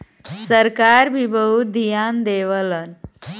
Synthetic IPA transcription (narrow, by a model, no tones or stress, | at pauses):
səɾkaɾbʱibəɦud̪ʱijand̪eʋələn